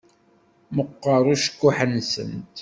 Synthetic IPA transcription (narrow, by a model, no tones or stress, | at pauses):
məqːəɾˤuʃə̥kːʊħənːsə̰nt̪